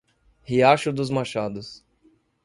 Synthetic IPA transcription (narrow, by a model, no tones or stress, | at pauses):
hiaʃʊd̪ʊzmaʃad̪ʊs